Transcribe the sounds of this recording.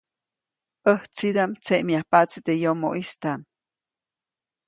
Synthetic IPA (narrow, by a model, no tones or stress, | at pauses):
əht͡sid̪amt͡seʔmjahpat͡sit̪ejomo̰ʔist̪an